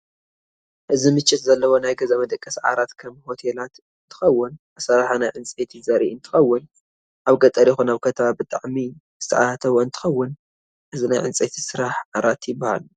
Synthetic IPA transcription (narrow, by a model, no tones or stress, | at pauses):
ʔɨzimɨt͡ʃʼːɪt̪zɐlːɐwo̞najɡɐzaβɐd̪ɐkʼːɐsʕa̰ɾat̪kʰɐmho̞t̪ʰelat̪ | ɨnt̪ʰɨ̥xɐwːʊn | asɐɾaħanajʕɨnt͡sʼet̪ʰizɐɾiʔɨnt̪ʰɨ̥xɐwːʊn | ʔaβɡɐt̪ʼɐɾjɪxunaβkʰɐt̪ʰɐβabɨt̪ʼaʕmi | z̥ɨt̪ʰɐʕat̪ʰɐβoɨnt̪ʰɨ̥xɐwːʊn | ʔɨzinajʕɨnt͡sʼet̪ʰi̥sɨɾaħʕaɾat̪jɪbːaha̰l